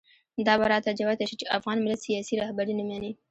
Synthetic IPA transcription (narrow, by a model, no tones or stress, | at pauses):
d̪ɑbaɾɑt̪ad͡ʒawat̪aʃit͡ʃeʔafɣɑnmɪlat̪sijɑsiɾɑhbaɾinamɑni